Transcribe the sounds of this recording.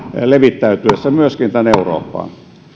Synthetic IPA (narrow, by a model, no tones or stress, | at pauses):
leʋit̪ːæyt̪yesːæmyøskint̪æneuro̰ːpːɑ̰ːn